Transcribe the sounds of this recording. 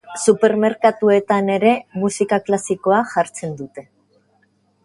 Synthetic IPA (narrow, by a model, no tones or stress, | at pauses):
supe̞ɾme̞ɾkat̪ue̞t̪ane̞ɾe̞musikaklasiko̞aʝaɾt͡se̞nd̪ut̪e̞